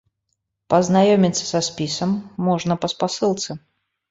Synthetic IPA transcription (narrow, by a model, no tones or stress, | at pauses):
pəznajomʲɪt̪sə̥sɐspʲisəmːɔʐnəpəspasɨlˠt̪sə